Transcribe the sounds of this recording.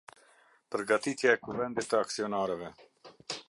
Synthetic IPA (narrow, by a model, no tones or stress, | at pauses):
pəɾɡat̪it̪jaɛkuvɛnd̪it̪ːəaksiɔnaɾɛvɛ